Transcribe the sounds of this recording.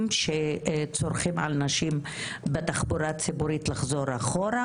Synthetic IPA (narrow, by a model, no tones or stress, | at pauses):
mʃet͡so̞ɾχimʕa̰lnaʃim | betaχbuɾat͡sibuɾitlaχzoɾaχoɾa